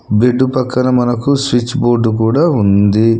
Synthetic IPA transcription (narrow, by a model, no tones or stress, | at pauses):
beɖːupɐkːɐnɐmɐnɐkuswit͡ʃːboːɾɖukuːɽaːund̪i